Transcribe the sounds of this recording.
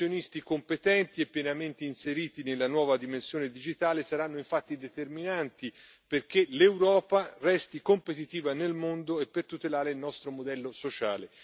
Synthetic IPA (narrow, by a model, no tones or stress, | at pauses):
onist̪ikompet̪ɛnt̪iepːjɛnament̪einseɾiːt̪inelːanwɔːvad̪imensjoːned̪id͡ʒit̪aːlesaɾanːoiɱfat̪ːid̪et̪erminant̪i | perk̟elewɾɔːparɛst̪ikompet̪it̪iːvanelmond̪oepːert̪ut̪elaːɾeilnɔst̪ɾomod̪ɛlːosot͡ʃaːle